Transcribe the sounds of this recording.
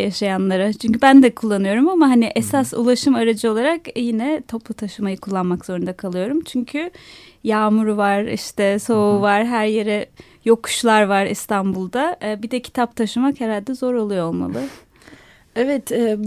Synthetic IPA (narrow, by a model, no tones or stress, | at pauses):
jaʃajanlˠaɾat͡ʃʰyɲcybænd̪ɛkʰulˠːanɯjo̞ɾumamaɦaniʔesasṵlˠaʃɯmaɾad͡ʒɯo̞lˠaɾakjinɛt̪ʰo̞plˠut̪ʰaʃɯmajɯkʰulˠːanmakz̥o̞ɾund̪akʰalˠɯjo̞ɾumt͡ʃʰyɲcʰy | jaːmuɾuvaɾḭʃt̪ɛso̞uvaɾɦæɾje̞ɾɛ | jo̞kʰu̥ʃlˠaɾvaɾḭst̪ʰanbulˠd̪abid̪ɛcʰi̥t̪ʰap̚t̪ʰaʃɯmakhɛɾhalʲd̪ɛzo̞ɾo̞lˠujoo̞lˠma̰lˠɯ | ɛvɛt̪ɛ